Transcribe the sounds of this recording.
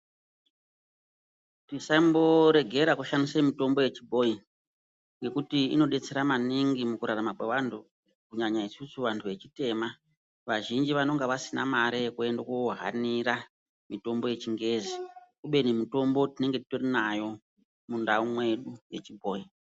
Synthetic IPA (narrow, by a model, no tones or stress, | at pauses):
tisaimbo̞ɾe̞ɡʱe̞ɾakuʃanisemito̞mbo̞je̞t͡ʃibʱo̞i | ŋɡe̞kutiino̞ɗe̞t͡se̞ɾamaniŋɡimukuɾaramakweʋantʰu | kuɲaɲaisusuʋantʰuʋe̞t͡ʃite̞ma | ʋaʒind͡ʒiʋano̞ŋɡaʋasinamaɾeekue̞ndakuɦa̰niɾa | mito̞mbo̞je̞t͡ʃiŋɡe̞zikuɓe̞nemito̞mbo̞tine̞ŋɡetitorinajo̞ | mundaumwe̞ɗuje̞t͡ʃibʱo̞ːi